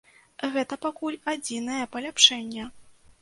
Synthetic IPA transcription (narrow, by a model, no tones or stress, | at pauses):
ɣɛt̪ɐpakulʲad͡zʲinɐjɐpɐlʲapʂɛnʲːɛ